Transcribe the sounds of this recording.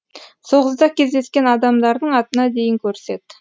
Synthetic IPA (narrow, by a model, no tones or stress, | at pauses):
so̞ʁəzd̪ɑkʲʰe̞zd̪e̞skʲe̞nɑd̪ɑmd̪ɑɾd̪əɴɑt̪ənɑd̪e̞jɪŋkʲʰɵɾse̞t̪